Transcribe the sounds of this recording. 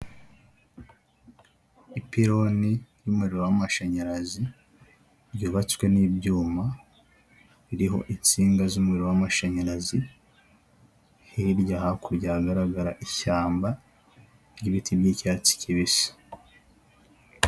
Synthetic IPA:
ipiɾo̞nijuːmueɾiɾowamaʃaɲaɾazi | ɾjuːβat͡skwe̞niːbɟuːma | βiɾiɦo̞̰ʔint͡siːŋɡazumuiɾowamaʃaɲaɾazi | hiɾɟahakuɾɟaːɡaɾaɡaɾaʔiçaːmba | ɾjiβitibjiːcaːt͡si̥cʰiβisḁ

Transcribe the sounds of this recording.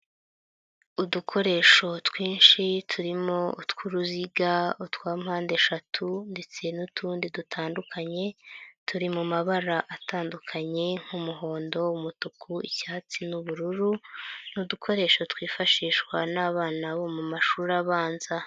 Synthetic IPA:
udukʰo̞ɾe̞ːʃo̞twiːnʃitʰuɾimo̞utkuɾuziɡautwaːm̥haːndeʃatʰunde̞t͡se̞nutʰuːndidutʰaːndukʰaɲe̞tʰuɾimumaβaɾaʔataːndukʰaɲe̞ŋ̥humuɦo̞ːndo̞umutukʰuḭcaːt͡sinuβuɾuɾunudukʰo̞ɾe̞ːʃo̞tkwiːfaʃiːʃwanaβaːnaβo̞mumaʃuːɾaβaːnza

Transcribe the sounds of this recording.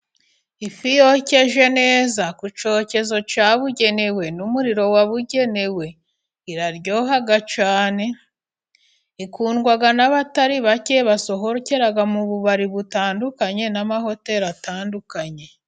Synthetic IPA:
ifijo̞ce̞ʒe̞ne̞ːzakut͡ʃo̞ːce̞zo̞t͡ʃaβuɟe̞ne̞we̞numuɾiɾo̞waβuɟe̞ne̞we̞ | iɾaɾɟo̞ːɦaɡat͡ʃaːne̞ | ikuːnɡwaɡanaβataɾiβace̞βaso̞ɦoɾce̞ɾaɡamuβuβaɾiβutaːndukaɲe̞namaho̞te̞ɾataːndukaɲe̞

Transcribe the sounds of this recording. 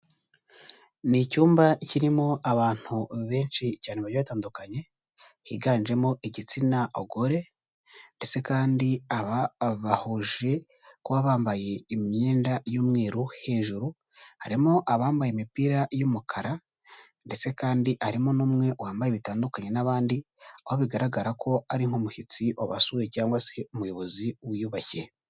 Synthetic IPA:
nicuːmbaciɾimo̞aβaːn̥huβe̞ːnʃicaːneβaɾjaβataːndukaɲe̞ | hiɡaːnd͡ʒe̞mo̞iɟit͡sinaʔoɡo̞ɾe̞ | nde̞t͡se̞kaːndiaβaβahuʒe̞ | kuβaβaːmbaje̞imɲeːndajomŋeːɾuhe̞ːʒuɾu | ha̰ɾimoʔaβaːmbajemipiːɾajumukʰaɾa | nde̞t͡se̞kaːndiʔaɾimonuːmŋe̞waːmbaje̞βitaːndukaɲe̞naβaːndi | ahoβiɡaɾaɡaɾakʰo̞aɾiŋ̥homuhit͡siʔo̞βasuwecaːŋɡwase̞umujo̞βo̞ziwujuːβace̞

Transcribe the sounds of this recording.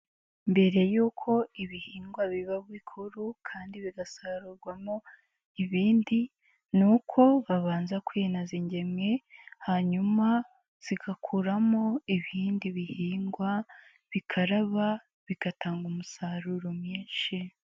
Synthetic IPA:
mbe̞ɾe̞juːkʰo̞iβihiːŋɡwaβiβaβwikʰuɾukʰaːndiβiɡasaːɾuɾɡwamo | iβiːndi | nukʰo̞βaβaːnzakwenaziɲɟe̞mŋe̞haɲuma | z̥iɡakʰuɾamo̞iβiːndiβihiːŋɡwa | βikʰaɾaβa | βikataːŋɡumusaɾuɾomɲiːnʃi

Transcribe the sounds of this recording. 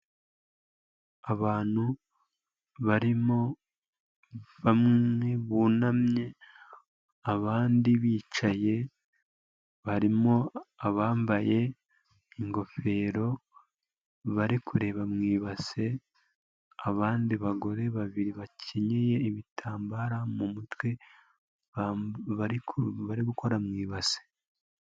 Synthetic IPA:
aβaːn̥hu | βaɾimo̞ | βamŋeβuːnamɲe̞ | aβaːndiβiːt͡ʃaje̞ | βaɾimo̞aβaːmbaje̞ | iŋɡo̞fe̞ːɾo̞ | βaɾikʰuɾe̞ːβamŋiːβase̞ | aβaːndiβaɡo̞ɾe̞βaβiɾiβacʰeɲeje̞iβitʰaːmbaɾamumutwe | aɾiβaɾiɡuko̞ɾamŋiːβase̥

